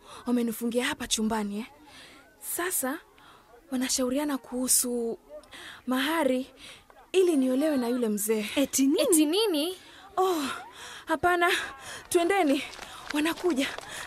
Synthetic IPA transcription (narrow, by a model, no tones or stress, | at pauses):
wamɛnifuŋɡiahapat͡ʃumbaniɛ | sasa | wanaʃauɾianakuhusu | maɦaɾi | iliniɔlɛwɛnajulɛm̩zɛːtninini | ɔ | hapanatuɛndɛniwanakuʄa